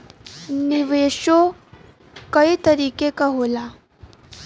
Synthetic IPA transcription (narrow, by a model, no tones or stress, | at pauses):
niʋeɕo | kəit̪əɾiːkekaɦola